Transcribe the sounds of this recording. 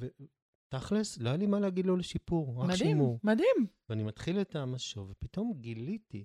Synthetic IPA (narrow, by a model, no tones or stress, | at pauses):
ve | taχlesloajalimaleaɡid̪lo̞leʃipuʁʁakʃimumad̪imveanimatχiletamaʃovepito̞mɡiliti